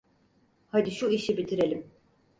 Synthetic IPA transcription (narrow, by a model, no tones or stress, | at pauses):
had̪iʃuiʃibit̪ʰiɾe̞lʲim